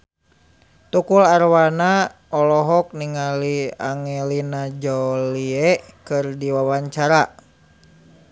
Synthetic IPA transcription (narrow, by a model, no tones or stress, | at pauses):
t̪ukularwana | ɔlɔɦɔk̚niŋaliaŋɛlinad͡ʒɔliɛkɨrdiwawaɲt͡ʃaɾa